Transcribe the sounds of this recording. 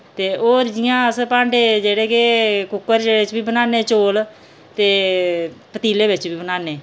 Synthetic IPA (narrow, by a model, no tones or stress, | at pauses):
t̪eːoːɾd͡ʒɪjãːəspãːɳɖeːd͡ʒeːɽeːkekʊkːəɾd͡ʒeːɽeːɪt͡ʃbiːbənaːneːt͡ʃoːl | t̪eː | pət̪iːleːbɪt͡ʃbiːbənaːneː